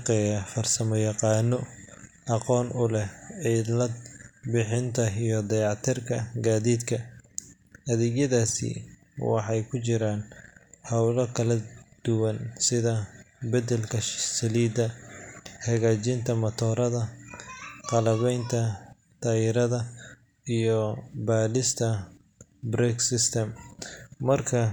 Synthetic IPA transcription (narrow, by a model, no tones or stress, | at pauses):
ɑqɛːjɐfɐrsɐmɔjɑqɑːnːɔ | ʔɑqɔːnʊlɛɛlɐd̪bɪħɪnt̪ʰɐijɞd̪ɐjɑʕt̪ʰɪrkʰɐɡaːðiːd̪kʰɐ | ʔɐðɛɡjɐðaːsḭ | wɑ̰ħɑjkʰʊt͡ʃɪɾaːnhɑwlɐkʰɐlɐd̪̥ʊwɐnsɪðɐbɐd̪ɛlkʰɐʃsɐliːd̪ɐ | hɐɣaːt͡ʃɪnt̪ʰɐmɐt̪ʰɔːɾɐðɐ | q̪ɑlɐβɛjnt̪ʰɐ | t̪ʰaːjɪɾɐðɐ | ijɔbaːlɪst̪ʰɐ | bɾɛːksɪst̪ʰɛmː | ɐrkʰɐ